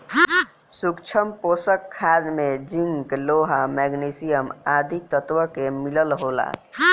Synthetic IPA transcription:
sukt͡ʃʰəmposəkʰːad̪med͡ʒiŋɡkloɦamɛɡnisijəmaːd̪ʱik̚t̪ət̪ʋəkemiləlɦola̰

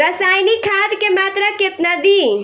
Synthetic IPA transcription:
ɾəsajnikʰad̪kemat̪ɾaket̪nad̪i

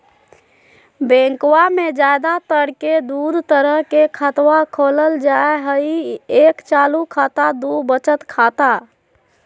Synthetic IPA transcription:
bẽŋkwamed͡ʒajd̪at̪əɾked̪ud̪t̪əɾəɦkekʰət̪wakʰoləld͡ʒaeɦəiekt͡ʃalukʰat̪ad̪ubət͡ʃət̪kʰat̪a

